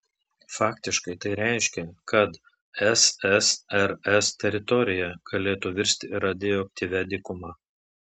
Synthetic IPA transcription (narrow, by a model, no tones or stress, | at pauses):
fɑːkt̪ʲɪʃkɐɪt̪ɐɪɾʲɛˑɪʃʲkʲɛkʰɐt̪ | ɛsɛsɛɾɛst̪ʲɛɾʲɪt̪ɔɾʲɪjɛɡ̥ɐlʲeːt̪uʋʲɪɾʲsʲt̪ʲɪɪɾɐd̪ʲeːjoːk̚ʲt̪ʲiːʋʲɛd̪ʲɪkʊmɑː